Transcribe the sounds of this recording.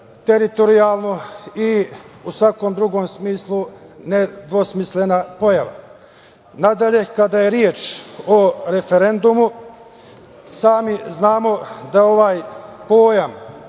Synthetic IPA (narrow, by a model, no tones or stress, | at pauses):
t̪e̞ɾit̪o̞ɾiaːlˠno̞iusʋako̞md̪ɾuɡo̞ːmsmiːslˠune̞d̪ʋo̞smisle̞napo̞jaʋa̰ | nad̪aʎe̞kad̪aje̞ɾjeːt͡ʃoɾe̞feɾe̞nd̪umu | saːmiznaːmo̞d̪ao̞ʋaːjpo̞ːjam